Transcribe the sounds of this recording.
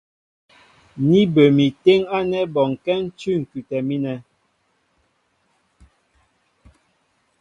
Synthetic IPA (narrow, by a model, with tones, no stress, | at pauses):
ni˦bə˨mi˨te˦ŋa˦nɛ˦bɔ˨ŋ˨kɛ˦n̩˦t͡ʃʉ˦˨ŋ̩˨kʉ˨tɛ˨mi˦nɛ˨